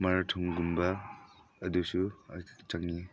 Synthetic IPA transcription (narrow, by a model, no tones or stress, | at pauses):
maɾatʰɔŋɡumbɐː | dusut͡ʃaŋːi